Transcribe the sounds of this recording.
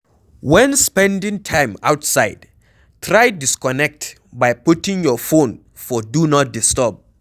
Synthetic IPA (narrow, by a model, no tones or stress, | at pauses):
wɛ̃nspɛ̃ndĩŋtʰãj̃ma̰wtsaɪd̥ | tʰɹajdiskɔnɛk̚t | bajputĩŋjɔfõn | fɔdunɔt̚distɔp̚